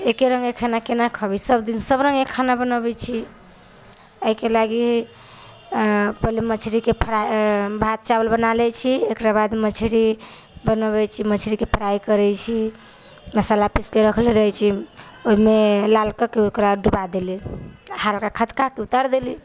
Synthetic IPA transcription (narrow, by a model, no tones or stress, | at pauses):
ekeɾəŋɡekʰanakenakʰəbisəbd̪insəbɾə̃ŋɡekʰːanabənəbɛt͡ʃʰi | əɦikelaɡi | pəlimət͡ʃʰɾikepʰəɾabʱat̪̚t͡ʃabəlbənalɛt͡ʃʰiekɾabad̪mət͡ʃʰiɾi | bənəβɛt͡ʃʰimət͡ʃʰɾikepʰəɾaikəɾɛt͡ʃʰi | məsalapiskeɾəkʰleɾəɦɛt͡ʃʰi | oɦimelalkakeokɾaɖubad̪elihalkakʰət̪kakeut̪aɾd̪eli